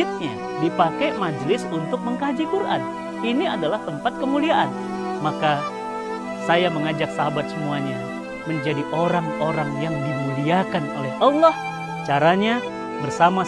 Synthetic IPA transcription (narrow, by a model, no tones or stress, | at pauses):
ɪt̪̚ɲa | dipakɛmad͡ʒlɪsunt̪ʊk̚məŋkad͡ʒikurʔa̰n | iniadalaht̪əmpat̪̚kəmuliaʔan | maka | sajaməŋad͡ʒak̚saɦabat̪̚səmuaɲa | məɲd͡ʒadiʔoɾaŋoɾaŋjaŋdimuliakano̰lɛhʔɑlːɔh | t͡ʃaɾaɲa | bərsama